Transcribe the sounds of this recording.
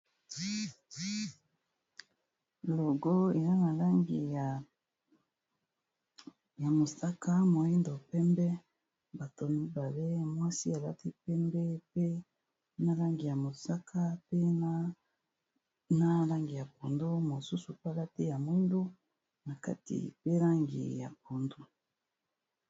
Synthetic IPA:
lo˨ɡo˦e˨na˦na˨la˦ŋɡi˨ | ja˨mo˨sa˦ka˦mo˨i˦ndo˨pɛ˦mbɛ˦ | ba˨to˨mi˦ba˨le˦mwa˦si˦a˨la˦ti˦pɛ˦mbɛ˦pe˦ | na˦la˦ŋɡi˨ja˨mo˨sa˦kʰa˦pe˦na˦ | na˦la˦ŋɡi˨ja˨po˨ndo˦mo˨su˦su˨pa˦la˦te˦ja˨mwi˦ndo˦ | na˨ka̰˦tḭ˨pe˦la˦ŋɡḭ˨ja̰˨po˨ndo˦

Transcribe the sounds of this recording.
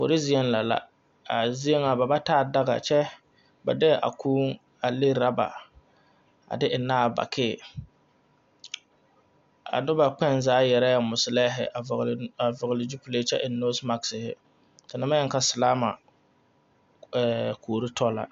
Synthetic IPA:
po̰˨ɾi˦zi˦ɛ˦nla˨la̰˦ | a˨zi˦e˦ŋa˨ba˨ba˦taː˦˨da˦ɡa̰˨t͡ʃɛ˦ | ba̰˨dɪ˦˨ʔa̰˨kuː˦ŋ | a˨lɪ˦ɾa˦ba̰˨ | a̰˨dɪ˦ʔɪ˨naː˦˨ba̰˨kʰɪː˦˨ | a̰˨nʊ˦ba˨k͡pɛ˦nzaː˨˦jɛ˨ɾa˦ja˨mʊ˨sɪ˨lɛ˦ɦɪ̰˨a˨a˨vʊ˨ɣɪ˨lɪ˨d͡ʒu˦pu˦le˨˦t͡ʃɛ˦ʔɪ˨nːo˦sma˦ksɪ˨hɪ̰˨ | ka˨nɪ˨˦ma˦jɛ˦ŋ˦ka˦sɪ˨laː˦ma˨ | kʰoː˨ɾi˦tɔ˦la̰˨

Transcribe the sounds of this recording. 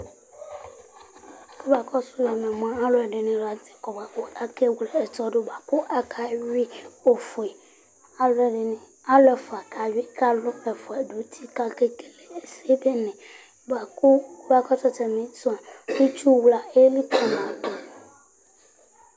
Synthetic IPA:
kɔ˦ba˨kɔ˦sʊ˦jɔ˨mẽ˨m˨ã˦a˦lo˦ɛ˨ɖe˨nẽ˨la˨te̥˨kɔ˨ba˨ko˦a˦ke˦wle˨ɛ˨tɔ˦ɖo˦ba˨kʊ˦ʔa˦kʰa˨˦ɥi˦o˨fo˨e˨ | a˦lɛ˨ɖe˨nɛ̃˨ | a˦lɛ˨fa˨kʰa˨wi˦ka˦lʊ˦ɛ˨fo˨a˨ɖo˨˦t̪ʰi˦ka˦ke˦ke˨le˨e˨se˦be˦nɛ̃˨ | ba˨kʊ˦ba˨kɔ˦t͡ʃɔ˦t͡ʃɛ˨mẽ˨sɔ˦a˨wu˦t͡ʃu˦wla˨e˦li˦kɔ˨mã˨a˨tɔ˨

